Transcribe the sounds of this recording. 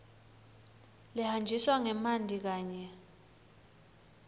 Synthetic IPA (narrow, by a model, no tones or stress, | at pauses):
lihand͡ʒʱiswaŋɛmandʱik̬aːɲɛ